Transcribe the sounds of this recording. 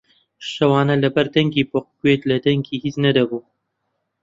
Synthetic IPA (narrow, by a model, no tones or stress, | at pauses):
ʃɐwɑːnɐlɐbɐɾd̪ɐŋɡiːpoq̚kwet̪lɐd̪ɐŋɡiːhiːznɐd̪ɐbuː